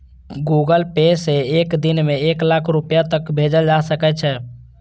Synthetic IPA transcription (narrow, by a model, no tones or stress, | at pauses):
ɡuɡəlpeseekd̪inmeeklakʰɾupjat̪əkbʱed͡ʒəld͡ʒasəkɛt͡ʃʰɛ